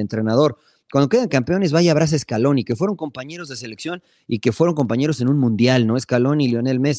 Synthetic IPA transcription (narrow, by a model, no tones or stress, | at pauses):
ent̪ɾe̞naðo̞ɾ | kwand̪o̞ke̞ðaŋkampeo̞ne̞zβaʝaβɾas̬aeskalo̞nike̞fwe̞ɾo̞ŋko̞mpaɲe̞ɾo̞zðe̞s̬e̞le̞ksjo̞n | ike̞fwe̞ɾo̞ŋko̞mpaɲe̞ɾo̞se̞nũnmũnd̪jalno̞eskalo̞niljo̞ne̞lme̞s